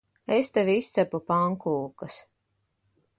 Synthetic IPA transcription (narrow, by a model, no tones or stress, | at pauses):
est̪ɛvʲiist̪sæpupaŋkuːkas